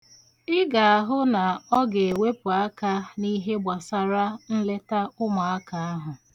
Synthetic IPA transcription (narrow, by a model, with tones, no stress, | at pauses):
ɪ˦ɡa˨a˨ɦʊ˦na˨ɔ˦ɡe˨e˨we˦pʊ˨a˦ka˦ni˦ɦe˦ɡ͡ba˨sa˦ɾa˦n̩˦le˦ta˦ʊ˦ma˨a˦ka˨a˦ɦʊ˨